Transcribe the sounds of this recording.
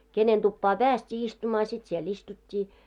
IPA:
kenen tupːɑː pæːstʲiː istumɑː sit siel istutʲːiː

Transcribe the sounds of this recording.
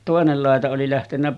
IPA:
toˑenel lɑˑetɑ oli læhtenːæ

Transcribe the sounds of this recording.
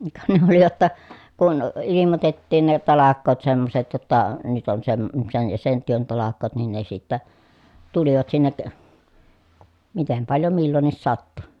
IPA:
kɑ ne oli j̆otːɑ kun ilimotetːiːn ne tɑlɑkˑoːt semːoset jotːɑ nyt on sem sen jɑ sen tyøn tɑlɑkˑoːt nin ne sitːæ tuliʋɑt sinːek mitem pɑljo milːonːis sɑtːu

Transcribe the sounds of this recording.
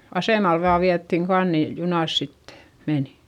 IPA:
ɑseˑmɑl ʋɑː ʋiætːiŋ kɑn ni junɑˑs sit meni̥

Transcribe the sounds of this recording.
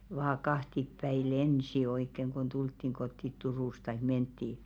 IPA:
ʋɑː kɑhtipːæi lensi oikːeŋ kon d̥ultːiŋ ɡ̊otːit turuˑs tɑik mentːiː

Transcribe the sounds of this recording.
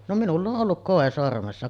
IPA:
no minulː oʔ ʔolːuk koˑe sormesːɑ

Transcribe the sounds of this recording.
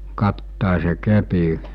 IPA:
kɑtːɑˑese kepi

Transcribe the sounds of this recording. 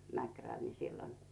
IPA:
mækræl ni silːon

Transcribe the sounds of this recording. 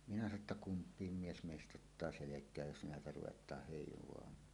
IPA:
minæ sɑno tːɑ kumpˑiːm mies meˑistʔt̆ otːɑː selekˑæːj jos næetæ ruwetˑɑːh heˑiʋˑoɑmɑːn

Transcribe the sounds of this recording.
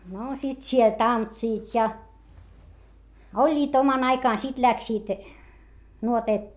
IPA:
noː sit siel tɑntsiːt jɑ olʲːiːt omɑn ɑikɑˑn sit læksiːt nuoteːt

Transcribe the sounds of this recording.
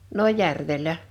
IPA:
no jærʋelˑæ

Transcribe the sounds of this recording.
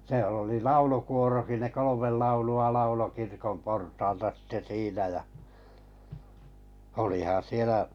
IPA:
sĭĕl̆ oli lɑulukuoroki ne kolomel lɑuluɑ lɑulo kirkom portɑːltɑ sitːe siːnæ jɑ olihɑn̞ sielæ

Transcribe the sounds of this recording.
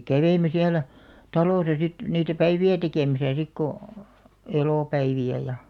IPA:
kæʋeime siælæ tɑloˑsɑ sit niːtæ pæiʋiæ tekeˑmæsæ sik ko eloˑpæiʋiæ jɑ

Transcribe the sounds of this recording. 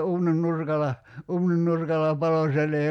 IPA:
uːnin nurkɑlɑ uːnin nurkɑlˑɑ pɑlo sielː ei

